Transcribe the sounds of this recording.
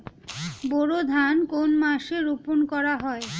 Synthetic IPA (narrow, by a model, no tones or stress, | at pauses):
boɾod̪ʱankonmaʃeɾupunkɔɾaɦɔe